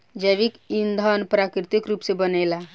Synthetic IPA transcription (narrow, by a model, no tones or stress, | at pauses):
d͡ʒəjʋikind̪ʱənpɾakɾit̪ikɾupsebənəla